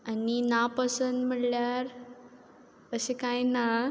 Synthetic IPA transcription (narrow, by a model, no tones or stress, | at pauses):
aninapəsənd̪m̤əɽljaɾ | əsẽkajna